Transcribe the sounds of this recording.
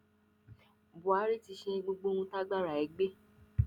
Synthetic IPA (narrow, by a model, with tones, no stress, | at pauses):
bu˨a˨˦ɾi˦ti˧ʃe˧ɡ͡bo˧ɡ͡bo˦ũ˧ta˦ɡ͡ba˦ɾa˨ɛ˨˦ɡ͡be˦